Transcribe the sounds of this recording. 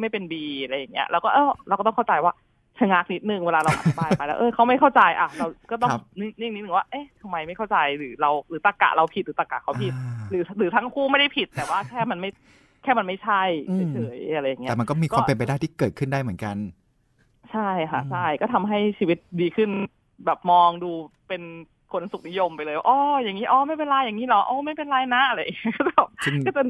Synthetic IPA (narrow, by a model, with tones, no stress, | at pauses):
ma˥˩jpe˧nbiː˧˨˧ɾa˧jːa˨˩ŋːi˦˥ɐ̰˧ʔɛː˧˦˥wkɔː˥˩ʔɤː˧˩ɾa˧wkːt̪ɔ˥ŋkʰa˥˩wt͡ɕa˧jwaː˥˩ | t͡ɕʰa˧ŋa˦˥k̚ni˦˥t̪̚nɯ˨˩ŋweː˧laː˧ɾa˧wʔa̰˨˩˧paː˧pa˧jlɛ˦˥ʔɤː˧˩kʰa˦˥wma˥˩jkʰa˥˩wt͡ɕa˧jʔa˨˧˩ɾa˧wkɔː˥˩t̪ɔ˥˧ŋ˦ni˧˥˩ni˥˩ŋni˦˥t̪nɯ˨ŋwaː˥˩ʔɤ˦˥˩t̪ʰa˧mːa˧jma˥˩jkʰwt͡ɕa˧jɾɯː˩˦ɾa˧wɾɯː˩˦t̪a˨˧˩ka̰˨ʔɾa˧wpʰi˨˩t̪̚ɾɯː˩˦t̪a˨˩kːa̰˨˩kʰa˦˥wʰi˨˩t̪̚ɾɯː˩˦ɾɯː˨˦t̪ʰa˦˥ŋkʰuː˥˩ma˥˩jda˥˩jpʰi˨˩t̪ːɛː˨˩waː˥˩kʰɛː˥˩ma˧nma˥˩j | kʰɛː˥˩ma˧nma˥˩jt͡ɕʰa˥˩jʰa˥t͡ɕʰɤː˩˦ja˧ɾa˧jːa˨˩ŋːi˦ɛː˨˩ma˧nkɔː˥˩miː˧kʰkːɔwaː˧˥˩pe˧npa˧jdaː˥˩jt̪ʰiː˥˩kɤː˨˩t̪̚kʰɯ˥˩ndaː˥˩jmɯ˩˦ə˦nka˧n | t͡ɕʰa˥˩jkʰa˦˥t͡ɕʰa˥˩jkɔː˥˩t̪ʰa˧mɦa˥˩jt͡ɕʰiː˧wi˦˥t̪̚diː˧kʰɯ˥˩n | bɛː˨˩p̚mɔː˧ŋduː˧pe˧n | kʰo˧nsu˨˩k̚ni˦˥jo˧mpa˧jlɤː˧jwaː˥˩ʔɔː˧˩ja˨˩ŋːiː˦˥ʔɔː˧˩ma˥˩jpe˧nlaː˧˥jːa˨˩ŋːiː˦˥lɔ˦˥ʔɔː˧˩ma˥˩jpe˧nlaː˧jna˦˥ʔa˧ɾa˧ja˨˩ŋi˦˥˩kɔ˥˩t͡ɕa˨˧˩ɯ˥˩kɔː˥˩t͡ɕa˨